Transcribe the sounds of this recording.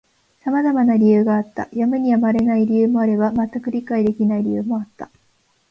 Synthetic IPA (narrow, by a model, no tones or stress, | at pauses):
samazamanaɾʲijɯ̟ːɡaːt̪ːa̰jamɯɲ̟iamaɾe̞naiɾʲiɯ̟ːmo̞aɾe̞bamat̪ːakɯ̟ɾʲikaid̪e̞kʲinaiɾʲijɯ̟ːmo̞at̪ːa